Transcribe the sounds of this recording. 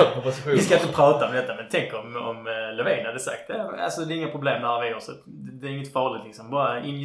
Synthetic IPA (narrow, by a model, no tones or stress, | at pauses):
pɔpɔsɪɧuɪsk̪kaɪnt̪əəpʰɾɑːt̪aɔmd̪ɛt̪ːamɛnt̪ʰɛŋkəɾɔmɔmlɛvɛːnhad̪ɛsa̰k̚t̪̚d̪ɛa̰lsɔd̪ɛːɾɪŋːapʰɾʊbleːmd̪æːɾʋɪosɔt̪ | d̪ɛɾɪŋːət̪fɑːlɪt̪lɪksɔmbɑːɾaɪn